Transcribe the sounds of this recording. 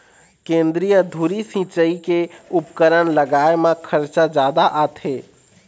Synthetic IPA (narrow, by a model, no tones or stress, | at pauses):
kẽːnd̪ɾijəd̪ʱuːɾisĩːt͡ʃəikeʊpkəɾənləɡaːemãkʰəɾt͡ʃad͡ʒjaːd̪aʔaːt̪ɦeː